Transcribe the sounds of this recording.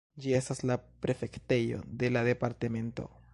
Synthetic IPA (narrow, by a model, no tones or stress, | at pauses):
d͡ʒie̞staslapɾe̞fe̞kte̞jo̞̰d̪e̞lade̞paɾtame̞nto̞̰